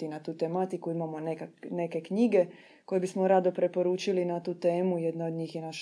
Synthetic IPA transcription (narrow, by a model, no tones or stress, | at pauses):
inat̪uːt̪emat̪ikuimamonekane̞ke̞kɲiɡe̞ | ko̞jebismo̞ɾad̪o̞pɾe̞po̞ɾuːt͡ʃilinat̪uːt̪e̞ːmuje̞d̪nao̞d̪ɲiːxjenaʃ